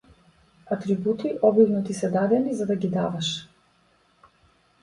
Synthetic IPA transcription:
at̪ɾibut̪iʔɔbivnɔt̪isɛd̪ad̪ɛnizad̪aɡid̪avaʃ

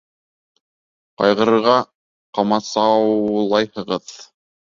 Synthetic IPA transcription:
qɑ̰jʁɤ̆ɾɤ̆ɾʁɑ | qɑmɑsɑwlˠɑjhɤ̆ʁɤð

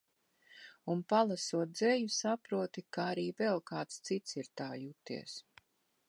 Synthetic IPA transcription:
unpalˠasuɔt̪̚d̪zɛjusapɾuɔt̪ikaaɾiːvɛlˠkaːt̪st̪sit̪siɾt̪aːjut̪ḭɛs

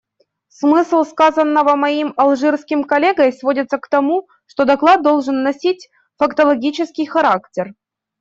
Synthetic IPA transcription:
smɨslˠskazənːəvəmɐimɐlˠʐɨrskʲɪmkɐlʲeɡəjsvo̞dʲɪt̪səkt̪ɐmu | ʂt̪o̞d̪ɐklˠad̪̚d̪ːo̞lˠʐɨnːɐsʲitʲ | fɐkt̪əlˠɐɡʲit͡ɕɪskʲɪjxɐɾaktʲɪr

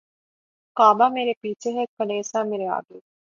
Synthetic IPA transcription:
kaːbaːmeɾepiːseɦekkɐleːsaːmiɾeʋa̰ːɡe

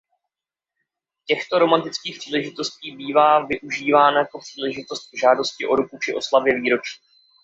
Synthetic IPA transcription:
cɛxt̪o̞ɾo̞mant̪ɪt͡skiːxpr̥iːlɛʒɪt̪o̞sciːbiːvaːvɪʔuʒiːvaːnajako̞pr̥iːlɛʒɪt̪o̞st̪̚vʒaːdo̞scɪʔo̞ɾukut͡ʃɪʔo̞slavjɛviːɾo̞t͡ʃi̥ː

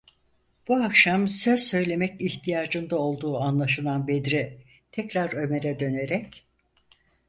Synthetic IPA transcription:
b̥uakʃamsøz̥sø̞jlʲe̞mɛciçt̪ʰijaːd͡ʒɯnd̪ao̞lˠd̪uːanlˠaʃɯlˠanbed̪ɾi | t̪ʰɛcɾaɾø̞me̞ɾɛd̪ø̞neɾɛc

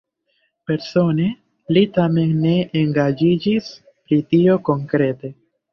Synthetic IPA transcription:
pe̞ɾso̞ne̞ | litame̞nːe̞ʔeŋɡad͡ʒid͡ʒis | pɾitio̞ko̞ŋkɾe̞te̞

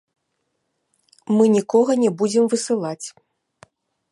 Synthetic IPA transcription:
mɨnʲikɔɣɐnʲɛbud͡zʲɛmvɨsɨlˠat͡sʲ

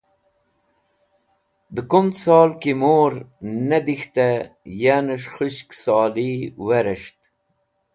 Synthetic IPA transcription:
d̪əkumt̪sɑːlkimoːɾnɐd̪ixt̪ajanəʂχuɕksɑːliwɐɾəʂt̪

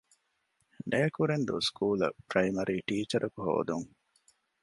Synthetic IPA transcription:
neɐkuɾend̪ṵskuːlɐ̰pɾɐimɐɾiːʈiːt͡ʃɐɾʔɐkuɦo̰ːd̪uŋ

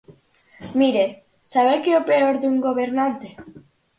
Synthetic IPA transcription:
miɾe | saβekeopeoɾd̪uŋɡoβeɾnant̪e

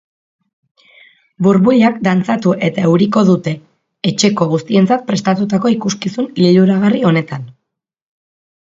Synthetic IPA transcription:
buɾβuʎakd̪ant͡sat̪uʔe̞t̪aewɾiko̞ðut̪e̞ː | t͡ʃe̞ko̞ɣust̪ie̞nt͡sat̪̚pɾe̞st̪at̪ut̪ako̞ikuskisunliluɾaɣ̞ario̞ne̞t̪an

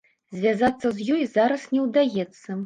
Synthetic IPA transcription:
zʲvʲazat̪sːɐzʲjɔjzaɾɐsnʲɛwd̪ajɛt̪sːɐ

